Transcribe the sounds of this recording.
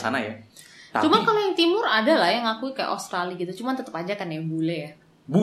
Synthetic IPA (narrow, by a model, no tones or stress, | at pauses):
sa̰naja̰t̪at͡ʃumankalojaŋt̪imʊradalahjaŋakuikaja̰ʔo̰st̪ɾaliɡit̪ut͡ʃumant̪ət̪əpad͡ʒakanjaŋbolɛja | bu